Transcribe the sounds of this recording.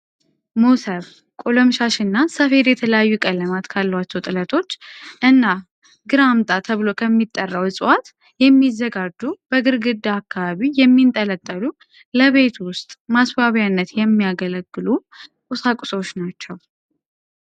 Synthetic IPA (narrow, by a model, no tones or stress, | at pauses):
musəβ | kʼoləmʃaʃɨnːasəfe̞ɾjɛt̪ʰələjajːukʼəlːəmat̪kʰalːəwat͡ʃːɛwt̪ʼɨlət̪ʰo̞t͡ʃːʔɨnːa | ɡɨɾamt̪ʼat̪ʰəβɨlo̞kʰəmːit̪ʼːərːəwɨsʼɨwat̪ | jɛmːizːəɡad͡ʒːub̥əɡɨɾɡɨd̪ːaːkːaβaβijɛmːint̪ʼələt̪ʼːəlu | ləβe̞t̪wʊst̪ʼmasbaβjanːət̪jɛmːijaɡələɡːɨlukʼʊsakʼʊ̥sʼot͡ʃːnat͡ʃːɛw